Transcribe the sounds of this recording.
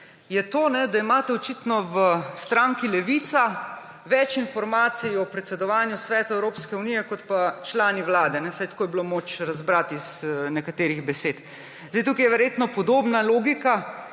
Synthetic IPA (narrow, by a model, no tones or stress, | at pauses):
jɛt̪oːnɛd̪aimaːt̪ɛɔt͡ʃit̪nɔʋəst̪ɾaŋkilɛʋiːt̪sa | ʋɛt͡ʃinfɔɾmaːt̪sijɔpɾɛt̪sɛd̪ɔʋaːnjusʋɛːt̪aɛwɾoːpskɛuniːjɛkɔt̪pat͡ʃlaːniwlaːd̪ɛnɛsajt̪akoːjɛbilomoːt͡ʃɾazbɾat̪iz̥nɛkat̪eːɾiɣbɛseːt̪ | zd̪ejt̪uːkijɛʋɛɾjeːt̪nɔpɔd̪oːbnaloːɡika